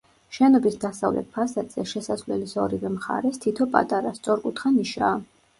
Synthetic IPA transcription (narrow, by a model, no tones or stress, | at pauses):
ʃɛnɔbisd̪asavlɛ̰t̪̚pʰasat̪ʼz̥ɛʃɛsasvlɛ̰lisɔɾivɛmχa̰ɾɛst̪ʰit̪ʰɔpʼa̰t̪ʼaɾast̪sʼɔɾkʼut̪ʰχaniʃaː